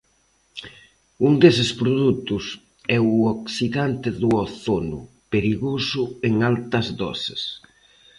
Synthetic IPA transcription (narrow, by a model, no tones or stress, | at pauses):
uŋd̪esɪspɾoðut̪ʊs | ɛʊoksiðant̪ɪðʊɔθonʊ̰ | peɾiɣosʊeŋalt̪ɐzðɔ̰ses